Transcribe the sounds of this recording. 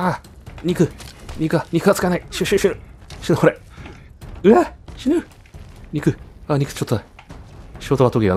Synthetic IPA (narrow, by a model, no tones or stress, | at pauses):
a | ɲ̟ʲikɯ̟ɲʲikɯ̟aɲ̟ʲikɯ̟at͡sɨ̥kanaiɕɨɕɨɕinɯɕinɯkoɾe | ɯ̟aɕinɯ | ɲ̟ʲikɯ̟aɲ̟ʲikɯ̟̥t͡ɕot̪ːo | ɕiɡot̪oat̪okʲiɡa̰